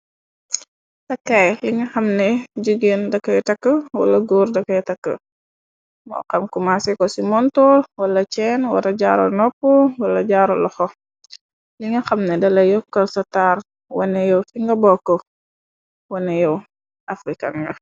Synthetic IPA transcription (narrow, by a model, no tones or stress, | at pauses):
tɐkːajliŋɐxɐmnɛɟuɡendɐkːɐjɛtɐkːəwɐ̰lɐɡoːrdɐkːɐjɛtɐkːə̰ | mɔ̰ːkɐmkumasɛkɔsimɔntɔlwɐlːɐt͡ʃɛnwɐ̰ɾɐɟa̰ːɾɔ̰nɔpːuwɐlːɐɟaːɾɔlɔxɔ | liŋɐxɐmnɛdɐlɐjɔkːɐlsɐtaːr | wɐ̰nɛjɔwfiŋɡɐbɔkːɔ | wɐnɛjɛw | ʔafɾikɐ̰ŋɡɐ